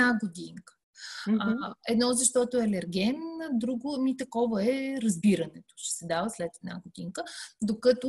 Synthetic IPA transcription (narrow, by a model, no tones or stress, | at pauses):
aɡod̪iŋkə̥ | ɛd̪nɔzɐʃt̪ɔt̪oɛɐlɛɾɡʲɛnd̪ɾuɡomit̪ɐkɔvɐɛɾɐzbiɾɐnɛt̪o̥ʃɛ̥sɛd̪avəslɛt̪ɛd̪na̰ɡod̪iŋkəd̪okət̪o